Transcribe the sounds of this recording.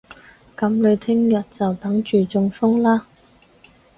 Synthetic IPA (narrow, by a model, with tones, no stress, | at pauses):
kɐ˨˧˥mlɵ˨˧ɥt̪ʰɪ˥ŋjɐ˨t̚t͡sɐ˨wt̪ɐ˨˥ŋt͡ʃyː˨˩t͡sʊ˧ŋfʊ˥ŋlaː˥